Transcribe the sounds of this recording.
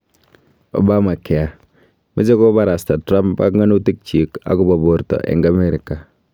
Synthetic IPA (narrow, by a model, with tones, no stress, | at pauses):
o̰˨ba˦ma˨kːɛ˨a˨ | mi˦se˦ko˦ba˦ɾa˨sta˨tɾa˦mpba̰˦kŋa˦nu˦ti˦k̚t͡ʃi˨ka̰˨ku˦ba˨bo˨ɾtɔ̰˨ʔɛ̰˨ŋɡa˦meɾi˨kːa˨